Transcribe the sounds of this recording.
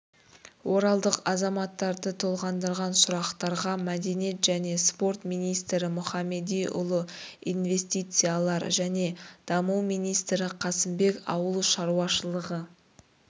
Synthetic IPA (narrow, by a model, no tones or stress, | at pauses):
wʔo̞ɾɑlˠd̪əqɑzɑmɑt̪ːɑɾd̪ət̪ʰolˠʁɑnd̪əɾʁɑnsʊɾɑqt̪ɑɾʁɑmæd̪e̞nije̞t̪ʒæne̞spo̞rt̪mijnijst̪ɾɪmʊχɑmːe̞d̪ijʔʊ̰lˠəijnve̞sʲt̪ijt̪sɨjalˠɑɾʒæne̞d̪̥ɑməwmijnijst̪ɾɪqʰɑsɪmbe̞kɑ̰wəlˠʃɑɾuɑʃəlˠəʁə